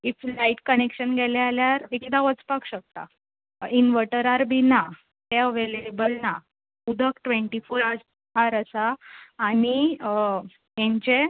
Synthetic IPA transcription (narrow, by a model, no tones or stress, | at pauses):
iflaiʈkənekɕənɡɛlealjaɾekd̪aʋət͡spakɕək̚t̪a̰ | inʋəʈəɾaɾbʱina | t̪eəʋeleebəlna | ud̪ʱəkʈʋeɳʈifoːɾas | ɦaɾəsaː | ɽ̃i | ɦẽɲt͡ɕe